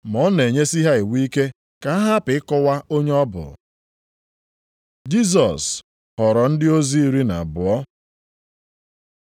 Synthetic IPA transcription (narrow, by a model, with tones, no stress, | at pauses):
mɔ˨˦ne˨ɲe˦si˦ɦa˦i˨wi˦ke˦ | ka˨a˦ɦa˦pɪ˨ɪ˦kɔ˦wa˦ʔo˦ɲe˦ɔ˦bʊ̰˨ | d͡ʒi˦s̬ɔ˨s | hɔ˨ɾɔ˨n̩˦dɪ˦o˦zi˦i˦ɾi˦na̰˨bʊ˨ɔ˦